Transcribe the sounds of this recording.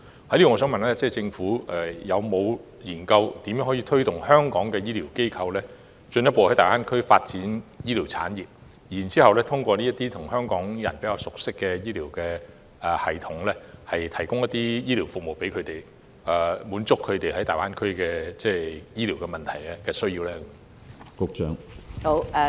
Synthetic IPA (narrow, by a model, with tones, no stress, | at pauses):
hɐ˨˥li˥ɔ˨ŋɔː˨˧sœː˨˥ŋmɐ˨nlɛː˥t͡sɛː˥˩t͡sɪ˧ŋfuː˨˥ɛ˨˩jɐ˨˧wmo˨˧w | jiː˨˩nkɐ˧wt̪iː˨mjœ˨˥ŋhɔː˨˥iː˧t̪ʰɵ˥t̪ʊ˨ŋhœː˥ŋkɔː˨˥ŋkɛː˧jiː˥liː˨˩wke˥jkʰɐ˧wlɛː˥ | t͡ʃɵ˧njɐ˥tpoː˧hɐ˨˥jt̪aː˨˩waː˥nkʰɵ˥ɥfaː˧t̚t͡siː˨˥njiː˥liː˨˩wt͡sʰa̰ː˨˥njiː˨˩p̚ | jiː˨˩nt͡siː˥hɐ˨wlɛː˥t̪ʰʊ˥ŋkʷɔː˧li˥ɐ˥t̪iː˥t̪ʰʊ˨˩ŋɦœː˥ŋkɔː˨˥ŋjɐ̰˨˩npe˨˥jaː˧wsʊ˨k̚sɪ˥kːɛ˧jiː˥liː˨˩wkɛː˧ | ɛ˨˧hɐ˨˩jt̪ʰʊ˨˥ŋlɛː˥hɐ˨jt̪ʰɐ˨˩jkʊ˥ŋjɐ˥t̪ːiː˥jiː˥li˨˩wfʊ˨k̚mo˨wpe˨˥jkʰɵ˨˧ɥt̪e˨j | ɛː˨˩muː˨˥nt͡sʊ˥kʰːɵ˨˧ɥt̪e˨jhɐ˨˥jt̪aː˨˩waː˥nkʰɵ˥ɥkɛː˧t͡sɛː˧˩jiː˥li˨˩wkɛ˧mɐ˨nt̪ʰɐ˨˩jlɛ˥kɛː˧sɵ˥ɥjiː˧wlɛː˥k | kʊ˧k̚t͡ʃœː˨˥ŋho˧˥˧